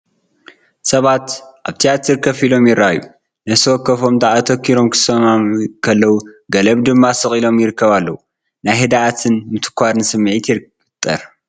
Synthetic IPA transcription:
sɐβat̪ʔaβt̪ʰijat̪ʰiɾkʰɐfilo̞mjɪɾaju | nɐst̪ʰɐwɐkːɐfo̞md̪aʔat̪ʰɐkʰːiɾo̞mkʰɨ̥sɐmamkʰɐlːɐwuɡɐlɐβd̪ɨmːasɨχʼilo̞mjɪɾɨkʰːɐβalːɐwu | najhɨd̪aʔat̪ʰɨnmɨt̪ʰɨ̥kʷaɾnɨsɨmːʕit̪ʰiɾ | t̪ʼːɐ̰ɾ

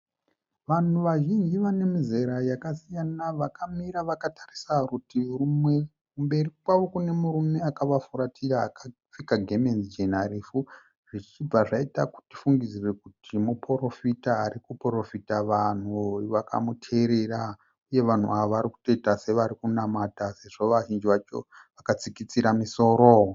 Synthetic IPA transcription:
ʋan̤uʋaʒind͡ʒiʋane̞mize̞ɾajakasijanaʋakamiɾaʋakatarisarutirumwe | kumbe̞rikwaʋo̞kune̞muɾume̞akaʋafuɾatʰiraːkafikaɡʱemenzd͡ʒenarifu | ʐ̥it͡ʃib͡vaʐaitaku̥ti̥fuŋɡizirekutʰimupro̞fitaːɾikupro̞fitaʋan̤uʋakʰa̰mutʰeɾe̞ra | uje̞ʋan̤ṵʔaʋoʋaɾiku̥to̞itase̞ʋaɾikunamatase̞ʐo̞ʋaʒind͡ʒiʋat͡ʃo̰ʋakat͡sikit͡siɾamiso̞ːɾo

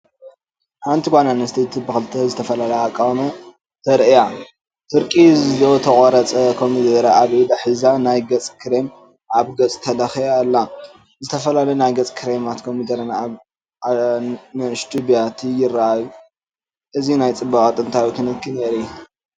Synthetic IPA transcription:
ħant̪ʰiɡʷananɨst̪ʰet̪ʰɨbɨxɨlt̪ʰɐzɨt̪ʰɐfɐlalɐjakʼːawmɐ | t̪ʰɐɾʔɨja | t̪ʰɨɾkʼizɨzot̪ʰɐχʼɐɾɐt͡sʼɐkʰomid̪ɐɾaaβed̪aħɨzanajɡɐt͡sʼkʰɨɾem | ʔaβɡɐt͡sʼt̪ʰɐlɐxijalːa | zɨt̪ʰɐfɐlalɐjunajɡɐt͡sʼkʰɨɾemat̪kʰo̞mid̪ɐɾɐn | nɨɨʃt̪ubijat̪ʰijɪrːaʔaju | ʔɨzinajt͡sʼɨbːɐkʼat̪ʼɨnt̪ʰawit̪ʰɨnɨkʰːɨneɾi

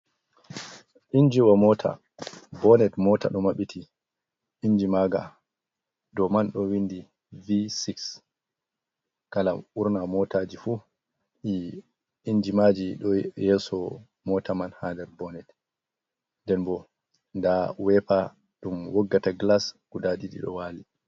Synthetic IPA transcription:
ʔind͡ʒiwamɔːtʰa̰ | bɔnɛtmɔta̰ɗɔmaɓitʰi | ʔiɲd͡ʒimaːɡa | dɔmanɗɔwindi | visiks | kala̰uɾnamɔtad͡ʒifu | ʔi | iɲd͡ʒimad͡ʒiɗɔjɛsɔ | mɔtamanhadɛɾbɔnɛd | ndɛnbɔ | ndawɛpa | ɗumwɔɡːataɡlasɡ̥udaɗiɗḭɗɔ̰waːli

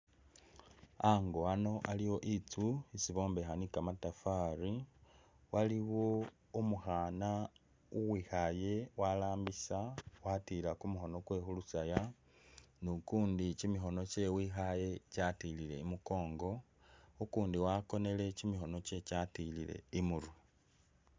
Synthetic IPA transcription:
aŋɡoano̞ʔalijo̞ʔit͡suisiβo̞ːmbe̞xanikamatafaɾi | waliwo̞ | umuxana | uwixaje̞walaːmbisawatilakumuxo̞no̞kwe̞xulusaja | nukuːndicimixo̞no̞ce̞wixaje̞catilile̞̰imuko̞ːŋɡo̞ | ukuːndiwako̞ne̞le̞cimixo̞no̞ce̞catilile̞̰imuɾu

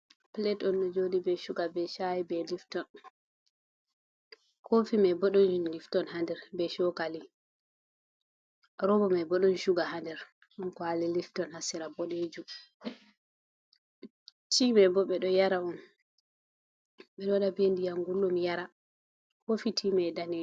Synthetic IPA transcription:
plɛtɔnɗɔd͡ʒodibɛʃuɡabɛʃajibɛliftɔn | kofimabɔɗɔnuliftɔnhandɛɾbɛʃɔkali | ɾɔbɔmabɔɗɔnʃuɡaɦandɛɾ | ɗɔnkɔaliliftɔnhasiɾabɔɗed͡ʒu | timabɔɓɛɗɔjaɾaɔn | ɓɛɗɔɗabendijaŋɡulːɔmijaɾa | hofitʰimɛdanɛ

